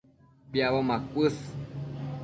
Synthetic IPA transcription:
bjaβomãkʷɨs

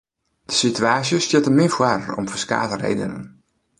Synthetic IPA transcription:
d̥ə̥sityaːsjəstjɪtəmɪfwarɔ̰mfəska̰ːtərḛjdə̰nə̰n

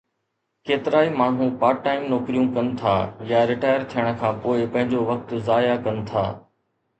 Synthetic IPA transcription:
keːt̪ɪɾaːimaːɳ̤ũːpaːʈːaːɪmnoːkɾijũkɐnɪt̪ʰaːjaːɾɪʈaːjəɾt̪ʰijəɽ̃ə̆kʰãːpoːɪpɐ̃ɦɪ̃ɲd͡ʑoʋɐk̚t̪zaːjakɐnɪ̆t̪ʰa̰ː

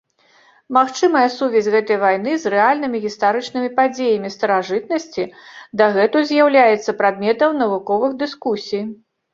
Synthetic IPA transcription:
maxt͡ʂɨmɐjɐsuvʲɛsʲɣɛt̪ɐjvajn̪ɨzrɛalʲnɨmʲiɣʲist̪aɾɨt͡ʂnɨmʲipad͡zʲejɐmʲist̪ɐɾaʐɨt̪nɐsʲt͡sʲid̪ɐɣɛt̪uzʲjawlʲajɛt̪sɐpɾad̪̚mʲɛt̪ɐwnɐvukɔvɨɣd̪ɨskusʲij

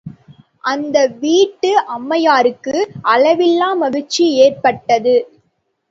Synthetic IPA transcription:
ʔɐnd̪ɐʋiːʈːɯʔɐmːɐjaːɾɯkːɯʔɐlɐʋɪlːaːmɐɣɯt͡ʃːieːrpɐʈːɐðɯ

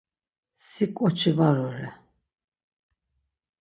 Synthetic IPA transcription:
sikʼɔt͡ʃʰivaɾɔɾɛ

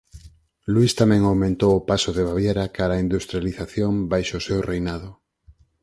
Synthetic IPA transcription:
lwist̪amɛ̃ŋawmẽnt̪owʊpasʊðeβ̞aβjeɾakaɾaind̪ust̪ɾjaliθaθjombajʃosewrejnaðʊ

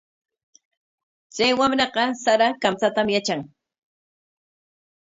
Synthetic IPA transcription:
t͡sajwamɾɑqɑsaɾakamt͡sat̪amjat͡ʃaŋ

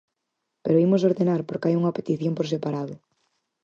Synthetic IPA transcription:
peɾoimos̬oɾðenaɾpoɾkajuŋɐpet̪iθjompoɾsepaɾaðʊ

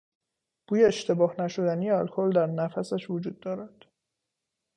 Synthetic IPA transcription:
b̥uːjeːʃt̪ʰe̞bɒːhnæʃo̞d̪ænijeɒlkʰold̪æɾnæfæsæʃvod͡ʒuːd̪ːɒːɾæd̪̥

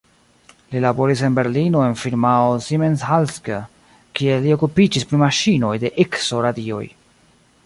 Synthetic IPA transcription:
lilabo̞ɾise̞nbe̞ɾlino̞e̞nfiɾmaosimenshalskə | kielio̞kupid͡ʒispɾimaʃino̞jde̞ʔekso̞ɾadio̞̰j

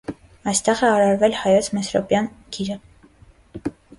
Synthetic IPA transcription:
ɑjst̪ɛʁɛɑɾɑɾvɛlhɑjɔt͡sʰmɛsɾɔ̰pjɑnɡ̥ʰiɾə

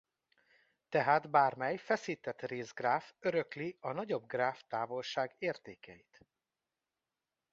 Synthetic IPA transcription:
t̪ɛɦaːd̪baːrmɛjfɛsiːt̪ɛt̪reːzɡraːføɾøkliɒnɒɟo̞bɡraːft̪aːvo̞lʃaːɡeːrt̪eːkɛ̰jit̪

